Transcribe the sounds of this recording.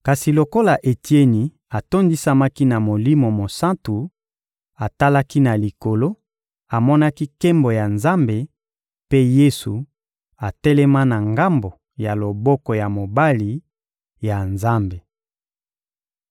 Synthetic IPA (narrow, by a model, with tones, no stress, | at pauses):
ka˨si˨lo˨ko˦la˨ʔe˨ti˦e˦ni˨ | a˨to˦ndi˦sa˦ma˦ki˦na˨mo˨li˦mo˨mo˨sã˦ntu˨ | a˨ta˦la˦ki˦na˨li˨ko˨lo˦ | a˨mɔ˦na˦ki˦ke˦mbo˨ja˨nza˦mbe˨ | pe˦je˦su˨ | a˨tɛ˦lɛ˦ma˦na˨ŋɡa˦mbo˨ | ja˨lo˨bɔ˦kɔ˨ja˨mo˨ba˦li˨ | ja˨nza˦mbe˨